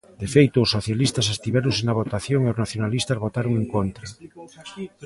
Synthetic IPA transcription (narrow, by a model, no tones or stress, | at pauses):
d̪̥efejt̪ʊːsːoθjalist̪ɐsest̪iβɛɾʊ̃nsenaβ̞ot̪aθjoŋeʊznaθjonalist̪ɐzβot̪aɾoŋeŋkont̪ɾɐ